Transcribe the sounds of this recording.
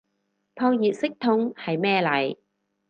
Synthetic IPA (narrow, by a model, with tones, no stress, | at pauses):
t̪ʰɔː˧wjiː˨t̚sɪ˥k̚t̪ʰʊ˧ŋhɐ˨jmɛː˥lɐ˨˩j